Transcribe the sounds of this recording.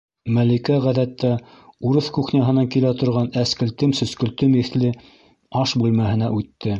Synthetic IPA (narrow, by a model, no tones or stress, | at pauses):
mælikæʁæðæt̪ːæ | uɾɤθkuχnʲɑɦɤ̆nɑŋkilæt̪ŏɾʁɑnæskɘ̆lt̪ɘmsɵ̆skɵ̆lt̪ɵmiθlɘ | ɑʃbʉlmæɦɘ̆næʔʉt̪ːɘ